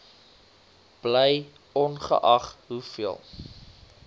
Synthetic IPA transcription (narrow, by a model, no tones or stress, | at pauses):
b̥ləj | ɔnχə̰ʔɐχɦufiəlˠ